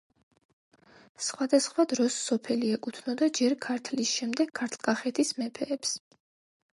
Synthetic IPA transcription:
sχwad̪asχwad̪ɾɔsːɔpʰɛliɛkʼut̪ʰnɔd̪ad͡ʒɛɾkʰaɾt̪ʰlisʃɛmd̪ɛɡ̥̚kʰːaɾt̪ʰlˠkʼaχɛt̪ʰismɛpʰɛːps

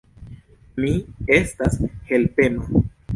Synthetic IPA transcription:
mie̞stashe̞lpe̞no

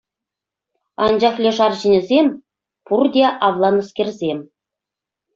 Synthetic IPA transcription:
ɑnd͡ʑɑχlʲĕʂɑrʑɘ̆nʲɘ̆zʲemʲ | purdʲeʔɑvlˠɑnɤ̆skʲerʲzʲemʲ

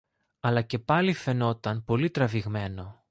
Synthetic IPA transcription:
ɐlɐce̞pɐlife̞no̞t̪ɐnpo̞lit̪ɾɐviɣme̞no̞

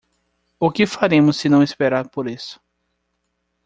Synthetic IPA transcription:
ʊkɪfaɾẽmʊsːɪnɐ̃w̃ispeɾaɾpoɾisʊ̥

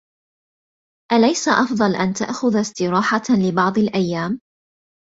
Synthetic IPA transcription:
ʔalajsaʔɑfd̪ˤɑlʔant̪a̰ʔxʊðst̪ɪɾɑːħalɪbɑʕd̪ˤɪlʔajːaːm

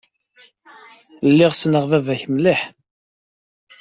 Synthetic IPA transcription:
lːɪʁsnəʁvævæçmliħ

